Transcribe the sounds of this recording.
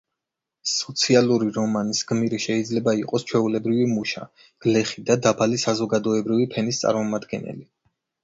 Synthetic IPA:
sɔt̪sʰialˠuɾiɾɔmanisɡ̥miɾiʃɛid̪zlɛbaiqʼɔst͡ʃʰwɛulɛbɾivimuʃa̰ | ɡ̥lɛχid̪ad̪abalisazɔɡad̪ɔɛbɾivipʰɛnist̪sʼa̰ɾmɔmad̪ɡɛ̰nɛ̰li

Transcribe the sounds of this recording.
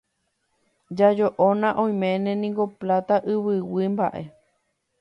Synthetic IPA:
d͡ʒad͡ʒoʔonãʔõj̃mẽnẽnĩŋɡoplat̪aʔɨβɨwimba̰ʔe̞̰

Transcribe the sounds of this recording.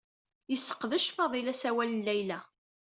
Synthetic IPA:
jəsːə̥qːðəʃfɑðˤilæsæwælənːæjlæ

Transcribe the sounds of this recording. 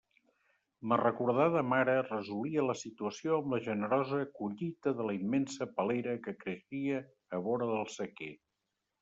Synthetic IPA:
mərəkuɾð̞aðəmaɾərəzuliələsit̪uəsioəmləʒənəɾɔzəkuʎit̪əðələimːensəpəleɾəkəkɾəʃiəː | βɔɾəðəlˠsəkḛ

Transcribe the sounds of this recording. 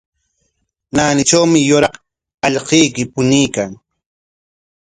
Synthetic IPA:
naːnɪt͡ʃawmɪjʊɾɑq | ɑʎqijkɪpʊnijkaŋ

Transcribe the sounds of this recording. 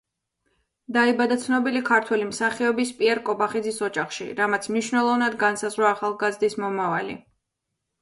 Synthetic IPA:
d̪aibad̪at̪sʰnɔbilikʰaɾt̪ʰwɛlimsaχiɔbispʼiɛɾkʼɔbaχid̪zisɔd͡ʒaχʃḭɾamat̪sʰmniʃwnɛlˠɔvnad̪ɡansazʁɾwaːχalˠɡazd̪ismɔmavalḭ

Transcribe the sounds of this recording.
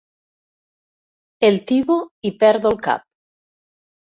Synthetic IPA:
elt̪iβoipeɾðolka̰p̚

